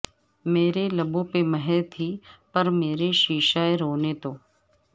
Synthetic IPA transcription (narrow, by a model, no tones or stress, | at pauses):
meːɾelɐbõpeməɦɛt̪ʰipɐɾmeːɾeʃiːʃaːeɾoːnet̪oː